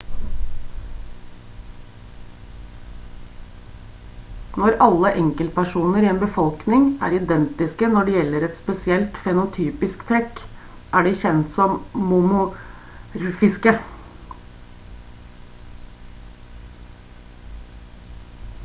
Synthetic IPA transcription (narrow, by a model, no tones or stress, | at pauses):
nɔɾɑlːəʔɛŋkəlt̪̚pæʂuːnəɾiːeːnbəfɔlknɪŋʔæ̰ːɾɪd̪ɛnt̪ɪskənɔɖɛjɛlːəɾɛt̪spɛsɪɛlt̪fɛnʊt̪ʰyːpɪskt̪ʰɾɛk | ʔæːɖɪçɛnt̪sɔmmʊmʊ | ɾfɪskə